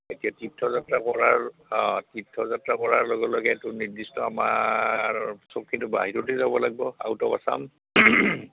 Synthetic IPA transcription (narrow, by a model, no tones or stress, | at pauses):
etijatitʰːɔzatɹakɔɹaɹtitʰːɔzatɹakɔɹaɹlɔɡɛlɔɡɛtʊniɹdistɔama̰ɹsokʰːitʊba̰ɦiɹɔtezabɔlaɡ̚bɔa̰wtɔba̰sa̰m